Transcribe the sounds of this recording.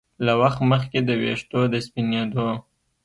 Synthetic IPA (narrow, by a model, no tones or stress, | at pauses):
lawaxt̪məxked̪əwḛʂt̪od̪əspined̪o